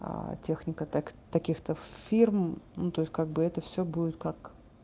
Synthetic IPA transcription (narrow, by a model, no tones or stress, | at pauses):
tʲexnʲɪkət̪akt̪ɐkʲixt̪əfʲirmnut̪o̞ɪsʲtʲkaɡ̚bɨɛt̪əfsʲobudʲɪt̪̚kak